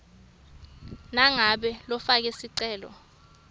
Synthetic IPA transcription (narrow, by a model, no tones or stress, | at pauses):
naŋaɓɛlɔfak̬ɛsiǀɛːlɔ̰